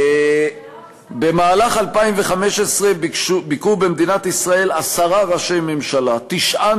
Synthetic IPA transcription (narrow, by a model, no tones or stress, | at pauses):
be̞maːlaχalpaimve̞χame̞ʃesʁe̞bikubemd̪inat̪isʁae̞lasaʁaʁaʃe̞jmemʃalat̪iʃʔa